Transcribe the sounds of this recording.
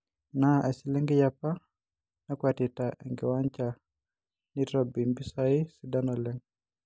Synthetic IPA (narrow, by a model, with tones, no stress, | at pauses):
naʔɛ˨si˨lɛŋɡɪ˦japa˦ | na˦kwatitaʔɛ˨ŋɡɪ˨wa˦ɲt͡ʃa | niɾɔbi˨nbi˦saɪ˦sida˦nɔlɛ˦ŋ